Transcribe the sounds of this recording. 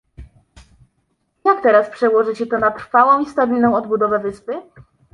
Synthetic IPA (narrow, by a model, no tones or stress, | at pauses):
jakt̪ɛɾaspʂɛwɔʐɘt͡ɕɛt̪ɔnat̪ɾ̥fawɔ̃w̃ist̪abʲilnɔ̃w̃ɔd̪bud̪ɔvɛvɘspɘ